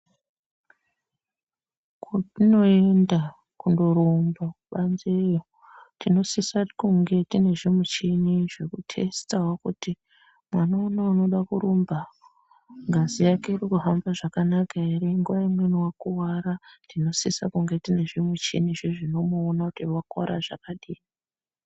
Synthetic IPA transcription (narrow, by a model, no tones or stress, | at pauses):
kutino̞enda | kundoɾombaɓanzejo | tino̞sisakuŋɡe̞tine̞ʐimut͡ʃiniʐekutʰe̞stawakuti | mwanaonauno̞ɗakuɾomba | ŋɡazijake̞irikuɦambaʐakanakaeɾiŋɡuʋaimwe̞niwakuwaɾandino̞sisa̰kuŋɡe̞tine̞ʐimwut͡ʃḭniʐiʐino̞muːnakutiwakwa̰ɾa̰ʐakaɗii